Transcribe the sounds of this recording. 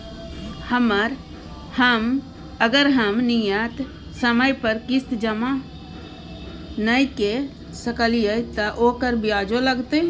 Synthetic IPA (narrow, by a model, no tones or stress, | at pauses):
həməɾ | həm | əɡəɾɦəmnijət̪ | səməjpəɾkɪst̪d͡ʒəma | nəjke | səkəlijət̪ɐʔoːkəɾbʱiaːd͡ʒoləɡt̪e